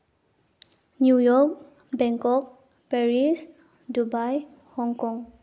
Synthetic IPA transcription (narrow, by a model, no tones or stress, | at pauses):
njujɔk̚ | bɛŋkɔk̚ | pɛɹis | dubaj | hɔŋkɔŋ